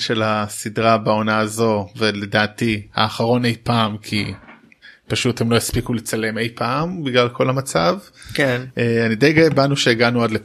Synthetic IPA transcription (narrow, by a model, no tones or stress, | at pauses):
ʃe̞lasidʁabao̞naːzo̞vele̞daːtiha̰ːχaʁo̞ne̞jpaːmkʰḭ | paʃuthemlo̞jaspikulet͡sale̞me̞jpʰaːmbiɡlalkʰo̞lhamat͡savkeʔeanidejɡaebanuʃeːɡanuadle